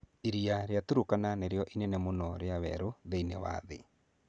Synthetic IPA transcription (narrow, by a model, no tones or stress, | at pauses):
eɾiaɾejatuɾokananeɾjɔʔinenemonɔɾeawɛ̰ɾoðeinewa̰ðḛ